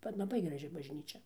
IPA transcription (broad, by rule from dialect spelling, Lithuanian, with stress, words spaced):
bʲɛt lˠɐˈbɐɪ ɡrɐˈʒʲɪ bɐʒʲˈnʲiːt͡ʃʲɛ